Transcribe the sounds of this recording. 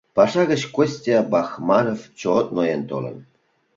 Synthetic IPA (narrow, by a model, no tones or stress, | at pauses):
pɑʂɑɣə̆t͡ɕkosʲtʲiɑbɑxmɑɾoft͡ɕot̪nojent̪o̰lə̰̆n